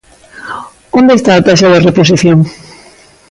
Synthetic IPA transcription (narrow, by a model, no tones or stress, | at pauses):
ond̪est̪aːt̪aʃ̬aðarepos̬iθjoŋ